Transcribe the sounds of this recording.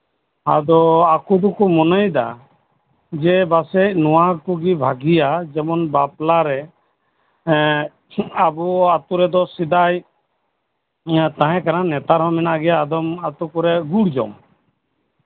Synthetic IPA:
a̰d̪ɔakud̪ɔkumɔnəjd̪a̰ | d͡ʒɛbasec̚nɔwakuɡibʱaɡijad͡ʒɛmɔnbaplaɾɛ | abuat̪uɾɛd̪ɔsid̪aj | t̪ãɦɛ̃kananɛt̪aɾɦɔ̃mɛnaʔɡɛjaːd̪ɔmat̪ukɔɾɛɡuɽd͡ʒɔ̰m

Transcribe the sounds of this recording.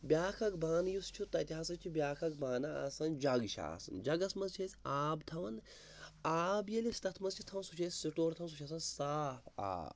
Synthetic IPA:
bʲjaːkʰɐkbaːnjust͡ʃʰut̪ɐt̪ʲiɦaːsɐt͡ʃʰubʲaːkʰɐk̚baːnaɐ̰sɐnd͡ʒɐɡʃa̰ːsɐ̰nd͡ʒɐɡɐsmɐnzt͡ʃʰesʲaːbt̪ʰɐʋɐn | aːbjɐlest̪ɐt̪ʰmɐnzt͡ʃʰit̪ʰɐʋɐnsut͡ʃʰesʲsiʈoːɾt̪ʰɐʋɐns̬ut͡ʃʰɐsɐnsaːpʰa̰ːb

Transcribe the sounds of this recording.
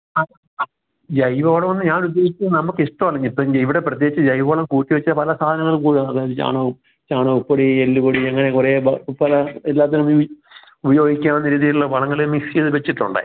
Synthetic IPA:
ɐ | d͡ʑɐjʋoːɽɐmʋɐnːɨɲaːnud̪ːeːɡit͡ɕʲːunɐmukːɨiʂʈːɐmɐɭɐɲːipːoiʋiɽe̞prɐt̪̬jeɡit͡ɕːɨd͡ʑɐjʋoːɭɐmkuːʈːiʋɐt͡ɕːɐɐpɐlɐsaːd̪ʱɐnɐŋːɐɭkuːɽiʋɐnːɐðaːjɐðɨt͡ɕa̰ːɳɐ | t͡ɕaːɳɐupːoɽielːuboɽieŋːɐnekureːbɐpɐlɐelːaːt̪ːɐnum | ubɐjo̞ːɡʱikʲːaːmonːɐɾiːðijiluɭːɐʋɐɭɐŋːɐɭemisijɐðɨʋet͡ɕːiʈːuɳɖa̰

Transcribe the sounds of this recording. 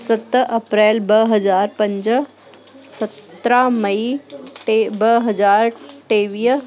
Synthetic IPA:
sət̪ɐpɾeːlbəɦɐd͡ʒaːɾpə̃ɲd͡ʒ | sət̪ɾaməiʈebəɦɐd͡ʒaːɾʈeːʋiː

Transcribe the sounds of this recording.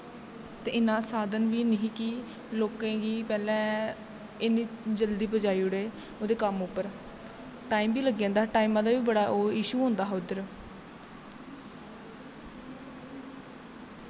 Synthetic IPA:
t̪eːɪnãːsaːd̪ənʋiːnəɦĩːki | loːkãːɡiːpɛːlɛ̃ː | ɪniːd͡ʒəld̪iːpəd͡ʒaːiːʊɽeː | oːd̪eːkəmʊpːəɾ | ʈaːiːmbiːləɡijãːnd̪aːʈaːiːmãːd̪aːʋiːbəɽaːʔoːɪʃuːɦõːnd̪aːɦʊd̪əɾ

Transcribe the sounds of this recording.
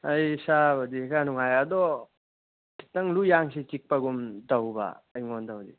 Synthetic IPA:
ɐjsabɐdikanuŋajɐd̪ɔ | ki̥tɐŋlujaŋsit͡ʃik̚pɐɡumtawba̰ːjŋontawdḭ

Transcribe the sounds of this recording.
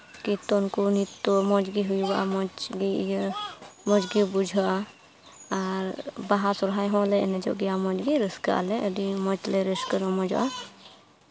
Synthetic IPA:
kit̪ɔnkunit̪ːomɔd͡ʒɡiɦujwa̰mɔt͡ʃɡij | mɔd͡ʒɡibud͡ʒʱa | aɾbaɦasɔɾɦajɦɔ̃leened͡ʒɔ̰ɡijamɔd͡ʒɡiɾəska̰leʔədimɔt͡ʃleɾeskəɾɔ̃mɔd͡ʒʔa̰

